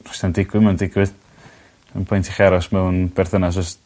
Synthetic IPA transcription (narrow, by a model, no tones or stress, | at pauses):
rɔ̥standɪɡwɨmɛwndɪɡwɨð | ənpʰɔjntʰiχaɾɔsmɛwnb̥ɛrθənas̬ɔst